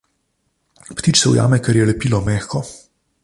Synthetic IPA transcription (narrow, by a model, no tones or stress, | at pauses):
pt̪iːt͡ʃsɛw̰ja̰ːmɛkɛɾjɛlɛpiːlɔmɛːxkɔ